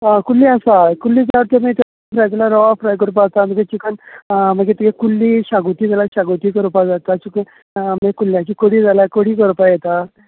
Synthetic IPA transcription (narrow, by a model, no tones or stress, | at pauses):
akulːiasakulːid͡zaɾt̪amit̪a | fɾajd͡ʑelaɾɔʋafɾajkəɾpaːt̪aməɡet͡ɕikənməɡet̪ikekulːiːɕaɡut̪iːd͡zalaɕaɡut̪iːkəɾupad͡zat̪at͡ɕukə | mekulːjãt͡ɕiːkoɽiːd͡zalakoɽiːk̬əɾpajɛt̪a